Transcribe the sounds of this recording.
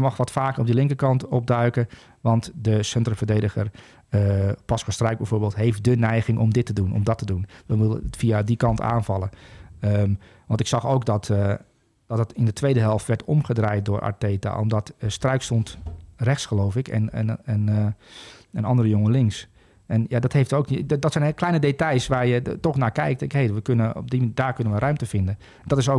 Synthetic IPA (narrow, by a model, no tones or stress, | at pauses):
mɑxʋɔtfaːkəɔp̚dilɪŋkəkɑntɔp̚dœɥkə | ʋɑntdəsɛntrəvərdeːdəɣə̰r | pɑskɔstrœɥk̚bɛjvoːɹbeːlˠtɦejft̚dənɛjɣɪŋʔɔmdɪtədunʔɔ̰mdɔtədunʋənʋulˠə̰fiadikɑnta̰ːnvɑlˠəə | ʋɑntɪksɑxowkdɔt | d̥ɔt̚ətɪndətʰʋejdəɦɛlˠftʋɛɹtɔ̰mχədrajt̚dʊːɹʔa̰teːta̰ʔɔ̰mdɔtəstrœɥkstɔntrɛxsχəlowfɪkɛ̰n̰nən | ənɑndərəjoŋəlɪŋks | ɛnjadɔthejftoːkdɔtsɛjnklɛjnədetɑjsʋaːɹjətɔxnaːkɛjk̚tɛkhejʋəkønəɔ̰b̚dimdaːɹkønənʋərœɥmtəfɪndən | dɔtɪso